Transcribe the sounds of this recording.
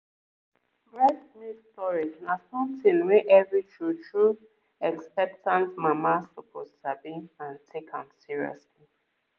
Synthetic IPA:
bɹɛsmistɔɹid͡ʒnasnɔ̃mtʰĩnweʔɛvɹit͡ʃut͡ʃɹu | ɛkspɛk̚tãntmamasopʰossabĩãntʰekãmsiɹiɔ̰sli

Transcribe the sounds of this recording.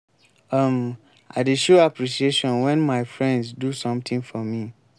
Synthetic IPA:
ʌ̃m | ʔa̰ɪdeʃuapɹiʃieʃɔ̃nwɛ̃nmaɪfɹɛ̃ndsdusɔ̃mt̪ʰĩŋfɔmĩ

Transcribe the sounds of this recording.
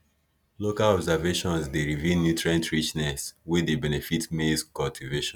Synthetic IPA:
lokalɔbzaveʃɔ̃nsdeɹivilnjutɹiãntɹit͡ʃnɛswedebɛnɛfitmeskɔltʰiveʃɔ̃n

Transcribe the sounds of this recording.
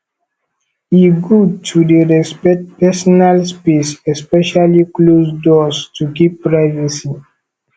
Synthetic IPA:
iɡud̚tʰudeɾɛspɛt̚pɛsɔnalspisɛspɛʃaliklosdɔstukipːɾajvisi

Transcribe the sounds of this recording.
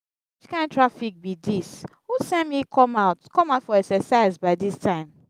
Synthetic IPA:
wit͡ʃkãntʰɹafik̚bidishusɛ̃nmikʰɔ̃maʊtkɔ̃maʊtfɔɛksɛsaɪzbaɪdistʰãɪ̃m

